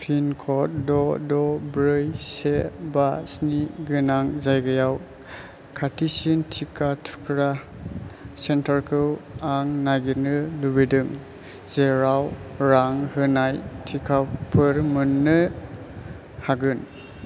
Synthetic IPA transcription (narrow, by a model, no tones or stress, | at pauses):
pʰinkʰɔt̚dɔdɔbɾɯjsebasniɡɯnaŋzajɡɯjaw | kʰatʰisintʰikʰatʰu̥kʰɾa | sentʰaɾkʰɯwaŋnajɡinɯlubedɯŋ | zeɾawɾaŋhɯnajtʰikʰapʰɯɾmɯnːɯ | haɡɯn